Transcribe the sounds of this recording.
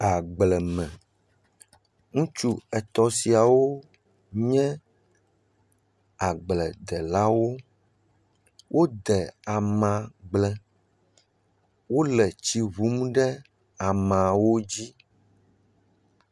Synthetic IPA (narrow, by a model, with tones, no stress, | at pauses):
a˨ɡ͡blɛ˨mɛ̃˨ | ŋũ˦t͡ʃu˦ɛ˨t̪ɔ˦si˨a˨wo˦ | ɲɛ̃˦ | a˨ɡ͡blɛ˨d̪ɛ˨la˦wo˦ | wʔo˦d̪ɛ˨a˨mã˨ɡ͡blɛ˦ | wo˦lɛ˨t͡ɕi˨βu˨˦m˦ɖɛ˦ | a˨mã˨wo˦d͡ʑi˦